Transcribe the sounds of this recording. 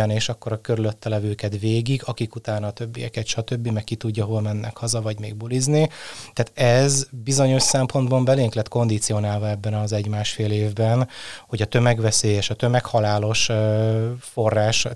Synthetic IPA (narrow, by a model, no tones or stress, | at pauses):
ɒneːʃɒkːo̞ɾɒkøɾylø̞t̪ːɛlɛvøːkɛt̪veːɡiɡɒkikut̪aːnɒːt̪ø̞bːijɛ̰kɛt̪ʃɒt̪ø̞bːimɛkːit̪uɟːɒɦolmɛnːɛkhɒzɒvɒɟmḛːɡbuliznit̪aːt̪ɛzbizo̞ɲo̞ʃsɛmpo̞nd̪bɒmbɛleːŋklɛt̪ko̞nd̪it̪sijo̞naːlvɒɛbːɛnɒzɛɟmaːʃfeːleːvbɛnho̞ɟɒt̪ø̞mɛɡvɛseːjɛʃɒt̪ø̞mɛkhɒlaːlo̞ʃ | fo̞rːaːʃ